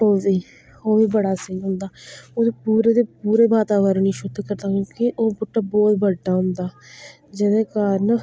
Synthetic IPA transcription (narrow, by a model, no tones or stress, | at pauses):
oːziː | oːʋiːbəɽaːsɪnɦʊ̃nd̪aːoːd̪eːpuːɾeːd̪eːpuːɾeːbaːt̪aːʋəɾɳiːʃʊd̪kəɾd̪aːkõːkɪʔoːbʊʈːaːbɔːt̪bəɖːaːɦʊ̃nd̪aː | d͡ʒed̪eːkaːɾən